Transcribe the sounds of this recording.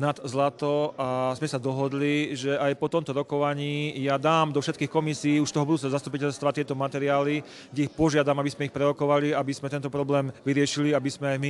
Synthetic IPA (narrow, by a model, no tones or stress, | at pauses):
nad̪zlat̪ɔazmɛsad̪ɔɦɔd̪liʒɛajpɔt̪ɔmt̪ɔɾɔkɔʋaɲiːjad̪aːmd̪ɔfʃɛt̪̚kiːxkɔmisiːuʃt̪ɔɦɔbud̪uːt͡sɛɔzast̪upicɛʎst̪ʋat̪ɪɛt̪ɔmat̪ɛɾiaːli | ɡɟɛixpɔʒɪad̪amabizmɛixpɾɛɾɔkɔʋaliabizmɛt̪ɛnt̪ɔpɾɔblɛːmʋiɾɪɛʃiliabizmɛajmi